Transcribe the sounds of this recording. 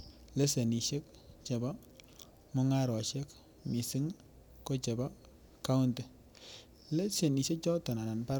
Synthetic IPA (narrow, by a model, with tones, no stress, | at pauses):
le˦se˨ni˨ʃe˦k | t͡ʃɛ˨ba˦ | mʊ˦ŋa˦ɾɔ˨ʃɛ˦k | mi˨si˦ŋ | ko˦t͡ʃɛ˨ba˦ | ka˦u˦nte˨ | le˦se˨ni˨ʃe˦kt͡ʃɔ˦tɔ˨na˨na˨npa˦